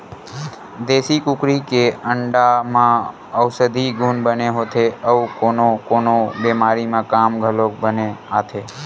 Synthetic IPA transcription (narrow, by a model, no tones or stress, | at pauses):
d̪esikukɾikeəɳɖamã | əwsəd̪ʱiɡʱunbəneɦot̪ʰeəukonokonobɛmaɾimãkamɡʱəlokbəneat̪ʰe